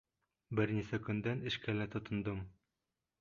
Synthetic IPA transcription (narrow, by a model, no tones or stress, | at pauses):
bɘ̆ɾnisækɵ̆nd̪ænɘ̆ʃkælæt̪ŏt̪ŏnd̪ɤm